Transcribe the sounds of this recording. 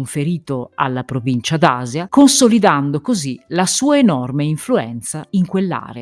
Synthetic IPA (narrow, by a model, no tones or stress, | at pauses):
ɱfeɾiːt̪oa̰lːapɾovint͡ʃad̪aːzjakonsolid̪and̪okozilasuːaenɔrmeiɱfluɛ̰nt̪saiŋkwelːa̰ːɾea